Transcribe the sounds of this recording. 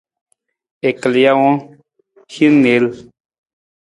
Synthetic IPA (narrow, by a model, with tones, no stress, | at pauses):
e˨kə˨li˨ja˦wɔ̃˦ | hi˦ne˨˦l